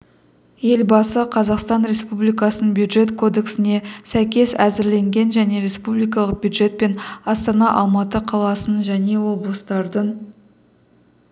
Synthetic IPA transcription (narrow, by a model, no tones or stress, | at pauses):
je̞lbɑsəqʰɑzɑqst̪ɑnɾe̞spublijkɑsənəbjud̪ʒe̞t̪kʰo̞d̪e̞ksɪne̞sæjkʲe̞sæzɪɾle̞ŋɡʲe̞nʒæne̞ɾe̞spublˠijkɑlˠəq̚b̥ʲjud̪ʒe̞t̪̚pe̞nɑst̪ɑnɑʔɑlˠmɑt̪əqʰɑlˠɑsənʒæne̞wo̞blˠəst̪ɑɾd̪əɴ